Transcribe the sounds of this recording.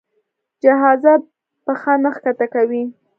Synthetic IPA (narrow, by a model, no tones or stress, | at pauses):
d͡ʒaɦɑza | pəxɑnəxkat̪akawi